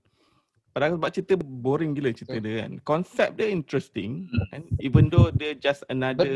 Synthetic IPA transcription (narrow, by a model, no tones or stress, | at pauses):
padaksəbap̚t͡ʃit̪əboɾiŋɡilət͡ʃit̪ədəka̰nkɔnsɛp̚dəint̪ɾɛstɪ̃ŋanivəndodəd͡ʒasənadə